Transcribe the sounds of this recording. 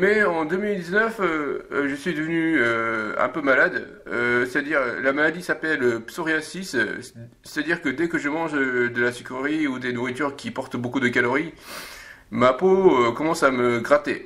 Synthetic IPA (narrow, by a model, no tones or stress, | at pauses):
mɛɑ̃d̪əmild̪iznəføʒəsɥid̪əvənyøɛ̰̃pømalad̪ | øset̪ad̪iʁlamalad̪isapɛløpsoʁiasis | se̥t̪ad̪iʁkəd̪ɛkəʒəmɑ̃ʒəd̪əlasykʲʁəʁiud̪enuʁit̪yʁkʲipɔʁt̪bokud̪əkaloʁi | mapoøkɔmɑ̃saməɡʁat̪e